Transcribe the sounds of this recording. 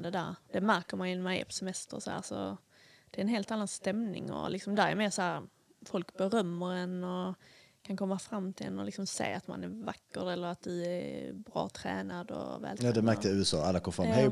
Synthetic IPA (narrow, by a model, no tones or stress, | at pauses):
d̪ɛd̪æːɾd̪̥ɛmæɾkəɾmanɪnmanɛ̰pʰɔ̥sɛmɛst̪əɾɔsɔhæ̰ːɾsɔ̰ | d̪̥ɛɾɛnɦeːlt̪anːanst̪ɛmnɪ̰ŋɔ̰lɪksɔmd̪æːɾɛ̰ɾmeːsɔhæːɾ | fɔlkbɛɾœmːəɾɛnɔkʰankʰɔmːafɾamːt̪ʰɪlɛ̰nːɔlɪksɔmsḛːat̪ma̰næɾvakːəɾɛlːəɾat̪̚d̪ɵæɾbɾɑ̰ːt̪ʰɾɛ̰ːnad̪ɔ̰vɛ̰ːlt̪jad̪ɛmæɾkt̪əʉ̟ːɛsɑ̰ːalːakʰɔmfɾamhɛ